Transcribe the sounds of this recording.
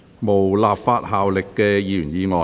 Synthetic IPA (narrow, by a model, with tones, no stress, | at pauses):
mo˨˩wlaː˨p̚faː˧t̚haː˨wlɪ˨kːɛː˧jiː˨jy˨˩njiː˨˧ŋɔː˨